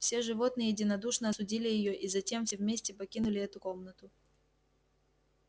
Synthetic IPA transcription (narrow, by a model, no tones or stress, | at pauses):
fsʲe̞ʐɨvo̞t̪nɨjəjɪdʲɪnɐd̪uʂnəɐsʊdʲilʲɪjɪjoʔizɐtʲe̞mfsʲevmʲesʲtʲɪpɐkʲinʊlʲɪɛt̪ʊko̞mnət̪ʊ